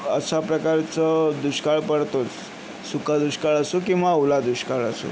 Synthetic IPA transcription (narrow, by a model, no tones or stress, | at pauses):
əɕapɾəkaɾt͡səd̪uɕkaɭpəɽt̪ot͡s | sukad̪uɕkaɭəsukĩw̃ʋaulad̪uɕkaɭəso̰